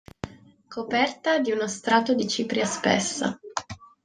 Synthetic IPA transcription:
kʰopɛrt̪ad̪iunost̪ɾaːt̪od̪it͡ʃiːpɾjaspɛ̰sːa̰

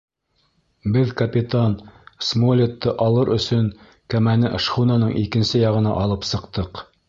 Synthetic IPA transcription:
bɘðkɐpʲit̪ansmolʲet̪ːɤʔɑlˠɤɾʔɵ̰̆sɵŋ | kæmænɘʔʃχunɑnɤɴʔikɘ̆nsɘjɑʁɤ̆nɑ̰ʔɑlˠɤpsɤ̆qt̪ɤq

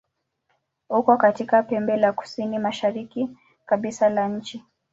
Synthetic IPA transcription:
hukɔkatikapɛmbɛlaku̥sinimaʃaɾiki | kaɓisalaɲ̩t͡ʃi

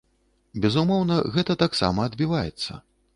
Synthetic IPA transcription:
bʲɛzumɔwnɐɣɛt̪ɐt̪aksa̰mɐːd̪bʲivajɛt̪sːɐ̰

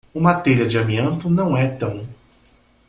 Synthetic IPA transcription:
ũmat̪ɛɾiɐd͡ʒɪɐmiẽnt̪ʊnɐ̃w̃ɛt̪ɐ̃w̃

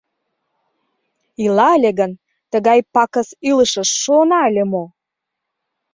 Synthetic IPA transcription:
ilɑəlʲeɣən | t̪əɣɑjpɑkəsyləʃə̆ʃːonɑəlʲemo

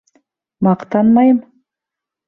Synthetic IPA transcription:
mɑqt̪ɑnmɑjɤm

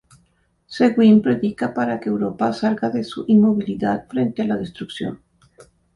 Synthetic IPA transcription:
seɣwimpɾeðikapaɾakeːwɾopasaɾɣaðesuʔinmoβ̞iliðat̪̚fɾent̪ealað̞est̪ɾuksjo̞̰n

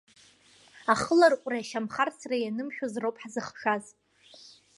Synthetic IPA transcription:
aχəlarkʷʼraʃamχarsrajanɨmħʲᶣozrowpʼħazɨχʂaz

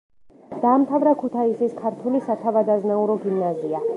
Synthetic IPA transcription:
d̪̥aːmt̪ʰavɾakʰut̪ʰaisiskʰaɾt̪ʰulisat̪ʰavad̪aznauɾɔɡimnazia

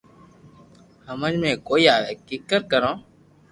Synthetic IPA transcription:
həmənmẽːkoːiːaːʋeːkɪkːəɾkəɾõː

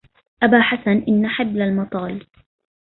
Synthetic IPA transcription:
ʔabaːħasanʔɪnːaħɪblalmɑt̪ˤɑːl

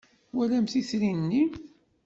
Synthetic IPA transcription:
wælæmθiθɾinːi

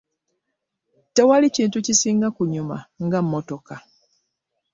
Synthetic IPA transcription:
tewaliciːntucisiːŋɡakuɲuma̰ŋɡamːoto̞ka

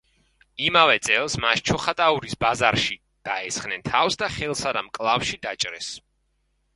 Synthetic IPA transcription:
imavɛt̪sʼɛlˠsmaʃt͡ʃʰɔχat̪ʼauɾisbazaɾʃi | d̪̥aɛsχnɛnt̪ʰafsd̪aχɛlˠsad̪amkʼlˠafʃid̪at͡ʃʼɾɛs

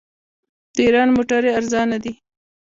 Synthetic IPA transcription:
d̪̥əiɾɑnmoʈaɾeaɾzɑnad̪i

